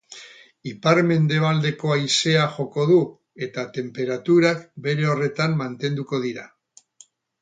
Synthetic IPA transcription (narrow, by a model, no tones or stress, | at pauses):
ipaɾme̞nd̪e̞β̞ald̪e̞ko̞ajse̞aʝo̞ko̞ðu | e̞t̪at̪e̞mpe̞ɾat̪uɾakbe̞ɾe̞o̞re̞t̪amːant̪e̞nd̪uko̞ð̞iɾa